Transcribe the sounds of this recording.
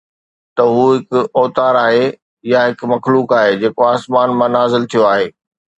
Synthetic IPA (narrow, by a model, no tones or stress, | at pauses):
t̪ɐɦuːɦɪkʊɔːt̪aːɾaːɦe | jaɦɪkmɐxluːkaːɦed͡ʑeːkoaːsmaːnmãnaːzɪlt̪ʰijoaːɦeː